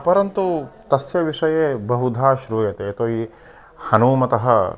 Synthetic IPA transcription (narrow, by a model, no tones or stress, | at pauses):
pɐɾɐnt̪ut̪ɐsjɐʋiʂɐjebɐɦud̪ʱaːʃɾuːjɐt̪eːt̪oːiː | hɐnuːmɐt̪ɐɦɐ̰